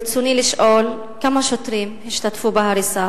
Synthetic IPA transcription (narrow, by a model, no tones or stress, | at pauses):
t͡suniliʃʔol | kamaʃot̪ɾimhiʃt̪atfubaɦaɾisa